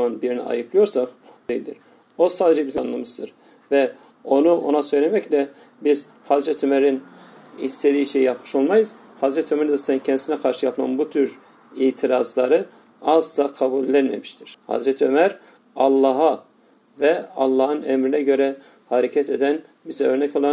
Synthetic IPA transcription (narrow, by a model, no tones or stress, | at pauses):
manbiɾinḭa̰jɯpʰlˠɯjo̞ɾsakd̪̥ejilʲd̪iɾ̥ | o̞saːd̪ed͡ʒɛbizianlˠamɯzd̪ɯɾ | vɛ | o̞nuʔo̞̰nasø̞jlʲemɛclʲɛ | biz̥ | hazɾɛt̪ʰømæɾin | hist̪ʰed̪iːiʃejijapmɯ̥ʃo̞lˠmajɯz̥ | hazɾɛt̪ʰømɛɾsɛncʰɛnd̪isinɛkʰaɾʃɯjapʰma̰nbut̪ʰyɾ | iːt̪ʰiɾazlˠaɾɯ | azlˠakʰabulʲːænmḛmiʃt̪ʰiɾ̥ha̰zɾɛt̪ʰømæɾ | ɑlˠːɑɦa | vɛɑlˠːɑːhɯnɛmɾinɛɟø̞ɾɛ | haɾecʰɛt̪ʰed̪æn | bizɛøɾnɛco̞lˠan